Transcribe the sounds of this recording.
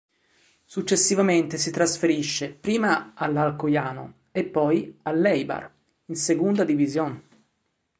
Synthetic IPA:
sut͡ʃːesːivament̪esit̪ɾasfeɾiʃːepɾiːmaalːalkojaːno̰ | epːɔjalːɛjba̰r | insekund̪ad̪ivizjon

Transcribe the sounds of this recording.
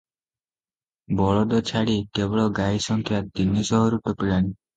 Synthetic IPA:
bɔɭɔd̪ɔt͡ʃʰaɽikebɔɭɔɡaisɔŋkʰjat̪̚d̪inisɔɦɔɾut̪ɔpiɭani

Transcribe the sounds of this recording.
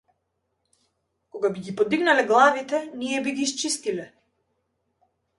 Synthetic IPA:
kɔɡabiɡipɔd̪iɡnalɛɡlˠavit̪ɛnijɛbiɡiːst͡ʃist̪ilɛ

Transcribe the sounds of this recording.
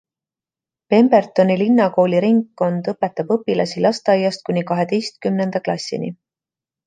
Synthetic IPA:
pe̞mb̥e̞rt̪o̞nilinːɑko̞ːliɾiŋɡkːo̞nd̪̥ɤpːe̞t̪ːˑɑb̥ɤpːilɑsilɑst̪ɑjːɑst̪̚kunʲikɑɦe̞d̪e̞jst̪̚kymne̞nd̪̥ɑklɑsʲːḭnḭ

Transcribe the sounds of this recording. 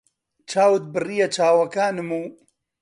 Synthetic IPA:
t͡ʃʰaːwɨt̪̚bɨrijɐt͡ʃaːwɐkaːnɨmuː

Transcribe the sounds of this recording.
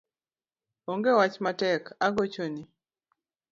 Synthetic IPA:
ɔŋɡewat͡ʃmatɛkaɡot͡ʃoni

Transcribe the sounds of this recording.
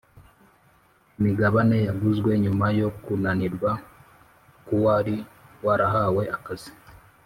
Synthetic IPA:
imiɡaβane̞jaɡuzɡwe̞ɲumajo̞kunaniɾɡwa | kuwaɾiwaɾaɦawe̞ʔakazi̥

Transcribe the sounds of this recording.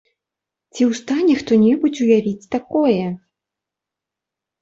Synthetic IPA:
t͡sʲiwst̪anʲɛxt̪ɔnʲɛbut͡sʲujavʲit͡sʲt̪akɔjɛ

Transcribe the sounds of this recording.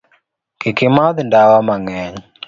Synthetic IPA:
kɪkɪmaðndawamaŋɛɲ

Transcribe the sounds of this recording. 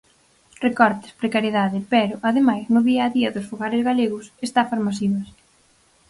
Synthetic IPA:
rekɔɾt̪ɪ̥spɾekaɾjeðaðɪpɛɾʊʔaðemajznʊðiaːðiɐðʊsfoɣaɾɪzɣaleɣʊsest̪afasmasiβɐs

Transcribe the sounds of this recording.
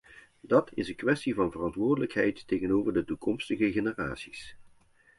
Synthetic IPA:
dɑtʰɪsənkʋɛstivɑnvərɑntʋʊːɹdələkɦɛjtːejɣənowvəɹdətukɔmstəɣəɣenəra̰ːtsi̥s

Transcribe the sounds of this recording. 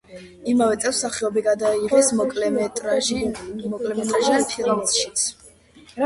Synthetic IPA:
imavɛt̪sʼɛfsaχɛɔbiɡad̪aiʁɛsɔkʼlɛt̪ʼ | mɔkʼlɛmɛt̪ʼɾaʒianpʰiɾamʃit̪sʰ

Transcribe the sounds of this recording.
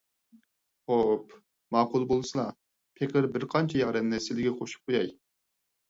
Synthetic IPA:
χop | mɑːqʊlˠbolˠsɨlˠɑ | pʰeqʰəɾbɪɾqʰɑnt͡ʃʰɛjɑʁɾɛmnɛsɪlɪɡʲɛqʰoʃu̥p̚qʰojɑj

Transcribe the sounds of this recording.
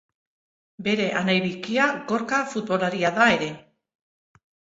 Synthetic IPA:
be̞ɾe̞ʔanajβikiaɣo̞ɾkafut̪̚βo̞laɾiaðae̞ɾe̞

